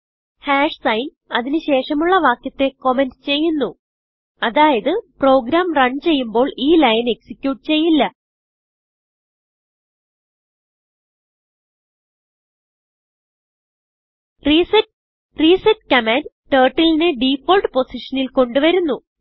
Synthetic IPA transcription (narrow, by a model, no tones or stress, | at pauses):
haːʂsɐjn | ɐðinɨɕe̞ːʂɐmuɭːɐʋaːkjɐt̪ːe̞ko̞me̞ndt͡ɕe̞jːunːu | ɐðaːjɐðɨpro̞ːɡɾaːmrɐɳt͡ɕe̞jːumbo̞ːɭiːlɐjɐne̞ksikʲjuːʈːt͡ɕe̞jːilːɐ | ris | riːsɐtkɐmaːnʈeːʈːilinɨɖifoːlʈɨpo̞siʂɐnilko̞ɳɖuʋɐɾunːu